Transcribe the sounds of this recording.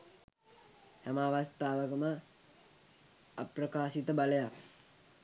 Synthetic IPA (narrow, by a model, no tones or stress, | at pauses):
hamaːʋast̪aːʋəkəmə | a̰prəkaːʃit̪əbaləjak